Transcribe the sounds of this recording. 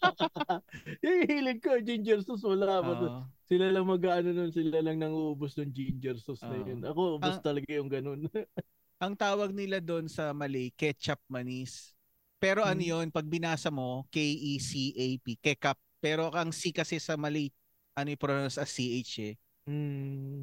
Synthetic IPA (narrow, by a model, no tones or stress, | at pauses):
hiiːlɪd̪̚kod͡ʒind͡ʒɛɾsʊsmɐlabɐosɪlalɐŋmɐɡaːʔɐnononsɪlalɐŋnɐŋuʔubʊsnɐŋd͡ʒind͡ʒɛɾsʊsnɐjonʔɐkoʔbʊŋst̪ɐlɐɡajʊŋɡɐno̞n | ʔɐŋt̪aːwɐɡ̚nɪlad̪o̞nsɐmɐlɛjkɛt͡ʃɐp̚mɐnis | pɛːɾo̞ʔɐnojo̞npɐɡ̚bɪnaːsɐmo̞kɛjʔisiʔejpikɛkɐp̚ːɛːɾo̞ʔɐŋsikɐsɛsɐmɐlij | ʔɐnojpɾonɐsɐsiʔejt͡ʃɛ | m̩